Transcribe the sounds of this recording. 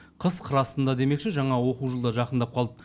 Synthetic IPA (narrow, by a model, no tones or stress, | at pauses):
qʰəzqʰəɾɑsənd̪ɑd̪e̞me̞kʃeʒɑɴɑwo̞quwʒəlˠd̪ɑʒɑqənd̪ɑp̚qʰɑlˠd̪ə